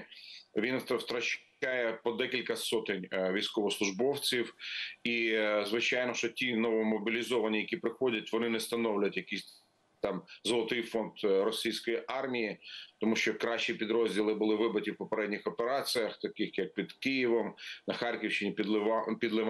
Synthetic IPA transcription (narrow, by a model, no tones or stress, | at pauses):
ʋʲinwt̪wt̪ɾɐt͡ʃ | ɑjɛpɔd̪ɛkʲilʲkɐsɔt̪ɪnʲʋʲijsʲkɔʋɔslˠʊʒbɔwt͡sʲiwizʋɪt͡ʃɑjnɔʃɔtʲinɔʋɔmɔbʲilʲizɔʋɐnʲijɐkʲipɾɪxɔdʲɐtʲʋɔnɪnɛst̪ɐnɔwlʲɐtʲjɐkʲisʲ | t̪ɑmzɔlˠɔt̪ɪjfɔnt̪ɾɔsʲijsʲkɔjiʔɑrmʲijit̪ɔmuʃt͡ʃɔkɾɑʃt͡ʃipʲid̪ɾɔzʲdʲilˠɪbʊlˠɪʋɪbɐtʲiwpɔpeɾɛdʲnʲɪxɔpeɾɑt͡sʲijɐxt̪ɐkɪxjɐk̚pʲid̪kɪjiʋɔmnɐxɑrkʲiwʃt͡ʃɪnʲipʲid̪lˠɪʋ